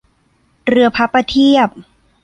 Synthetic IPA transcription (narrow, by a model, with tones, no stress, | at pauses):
ɾɯ˧ɐpʰa˧˦˥pːa˧t̪ʰi˥˩əp̚